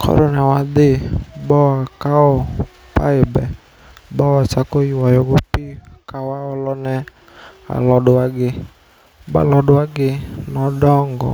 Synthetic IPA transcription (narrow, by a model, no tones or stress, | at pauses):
kʰɔ̰ɾɔnɛwad̪ebɔwakaɔ | pa̰ɪbɛ | bɔwat͡ʃakojiwajɔɡopikawaɔlɔnɛ | a̰lɔdʊwaɡɪ | ba̰lɔdʊaɡɪnɔdɔŋɡɔ̰